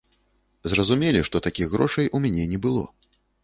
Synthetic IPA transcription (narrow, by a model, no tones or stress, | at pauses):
zrɐzumʲɛlʲiʂt̪ɔt̪akʲiɣɣɾɔʂɐjʔumʲanʲɛnʲɛbɨlˠɔ̰